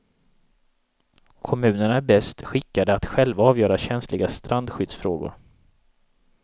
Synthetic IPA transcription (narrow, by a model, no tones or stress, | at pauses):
kʰɔmʉ̟ːnəɳabɛst̪ɧɪkːad̪əat̪ɧɛlvaɑːvjœːɾaɕɛnslɪɡast̪ɾʔand̪ɧʏd̪sfɾo̰ːɡʊ̰ɾ